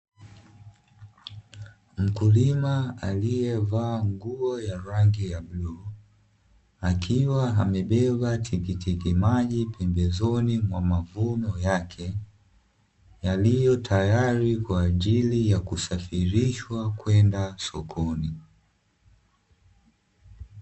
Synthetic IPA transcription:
m̩kulimaalijɛvaːŋɡuɔjaɾaŋɡijaɓlu | akʰiwaɦamɛɓɛɓatʰikitikimaʄipʰɛmbɛzɔnimwamavunɔjakʰɛ | jalijɔtʰajaɾikwaːʄilijakusafiɾiʃwakwɛndasɔkʰɔni

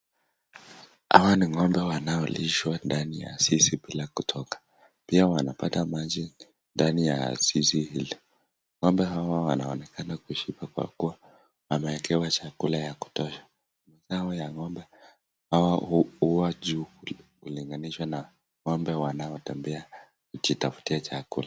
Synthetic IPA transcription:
a̰waniŋɔmbɛwanaɔliʃwandanija̰sisibilakutʰɔkḁ | piawanapatamad͡ʒi | ndanija̰sisihili | ŋɔmbɛɦawawanaɔnɛkʰanakuiʃipakwa̰kuwa | wamɛɛkɛwat͡ʃakulajaku̥tɔʃḁ | mazaɔjaŋɔmbɛ | hawahuwad͡ʒuːkuliŋɡaniʃwana | ŋɔmbɛwanaɔtɛmbɛa | kut͡ʃitafu̥tiat͡ʃakṵla

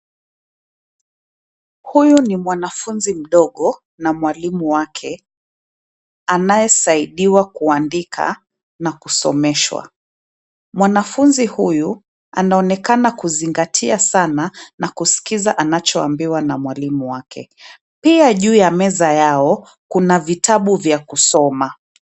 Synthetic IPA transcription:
hujunimwanafunzim̩ɗɔɠɔ | namwalimuwakʰɛ | anajɛsaiɗiwakuandikʰa̰ | nakusɔ̰mɛʃwa̰ | mwanafunzihuju | a̰naɔnɛkanakuziŋɡatʰiasananakusi̥kizaʔanat͡ʃɔa̰mbiwanamwalimuwakʰɛ̰ | piaʄuːjamɛzajaɔ | kunavitaɓuvjakusɔma

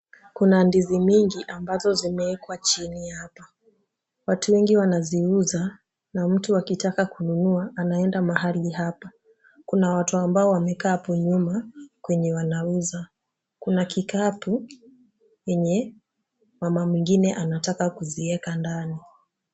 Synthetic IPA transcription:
kunandizimiŋɡiʔambazɔzimɛɛkwat͡ʃinihapa | watuwɛŋɡiwanaziuza | nam̩tuakitakakununuaʔanaɛndamaɦaliɦapa | kunawatuambaɔwamɛkaːpuɲumakwɛɲɛwanauza | kunakikapu | jɛɲɛ | mamamwiŋɡinɛʔanatakakuziɛkandani

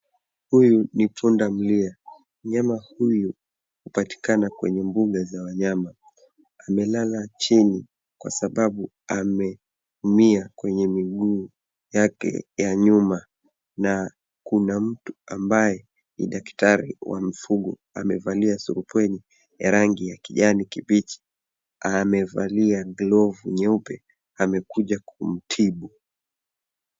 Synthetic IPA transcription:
hujunipʰundam̩lia | m̩ɲamahuju | hupati̥kanakwɛ̰ɲɛmbuɠazawaɲama | amɛlalat͡ʃini | kwa̰saɓaɓu | amɛ | humiakwɛɲɛmiɠuː | jakɛ̰jaɲuma | na | kunam̩tuambajɛ | nḭɗaktaɾiwa̰m̩fuɠɔ | a̰mɛvaliasuɾupɛni | jaɾaŋɡijakiʄanikibit͡ʃi̥ | amɛva̰liaɡlɔvuɲɛupɛ | amɛkuʄakʰum̩tʰiɓu

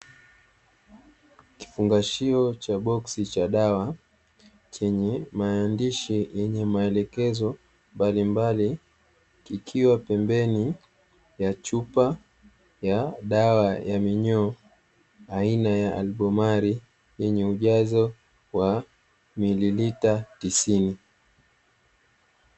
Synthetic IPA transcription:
ki̥fuŋɡaʃiɔt͡ʃaɓɔksit͡ʃaɗawa | t͡ʃɛɲɛmaːndiʃijʔɛɲɛmaɛlɛkɛzɔ | mbalimbali | kikʰiwapɛmbɛni | jat͡ʃupa | jaɗawajamiɲɔ | ainajaa̰lɓɔmaɾi | jɛɲɛuʄazɔ | wa | mililitatisini

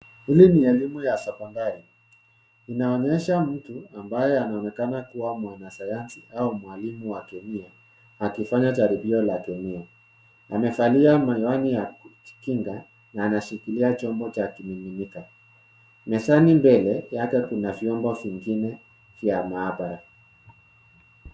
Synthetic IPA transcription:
hiliniɛlimujasɛkɔndaɾi | inaɔɲɛʃam̩tuambajɛanaɔnɛkanakuwamwanasajansiaumwalimuwakɛmia | akifaɲataɾibiɔlakɛmia | amɛfaliamaiwanijḁkiŋɡa | naːnaʃikiliat͡ʃɔmbɔt͡ʃakimimimika | mɛsanimbɛlɛjakɛkunavjɔmbɔviŋɡinɛ | vjamaːbaɾa

